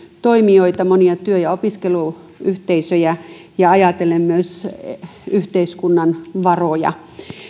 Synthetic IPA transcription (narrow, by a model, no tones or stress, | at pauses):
t̪oimioit̪ɑmoniɑt̪yøjɑopiskelu | yht̪eisøjæ | jɑɑjɑt̪elemmyøs | yht̪eiskunːɑnʋɑrojɑ̰